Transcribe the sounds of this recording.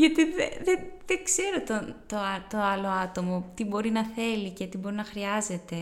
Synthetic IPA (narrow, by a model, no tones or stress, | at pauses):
ʝɐt̪iðḛðeðekse̞ɾo̞t̪ot̪oɐt̪o̞ɐlo̞ɐt̪o̞mo̞t̪ibo̞ɾinɐθe̞lice̞t̪ibo̞ɾinɐxɾiɐze̞t̪e̞